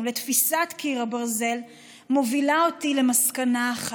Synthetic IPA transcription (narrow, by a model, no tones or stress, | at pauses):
le̞t̪fisatkʰiʁabaʁze̞l | movilaotile̞maskanaːχ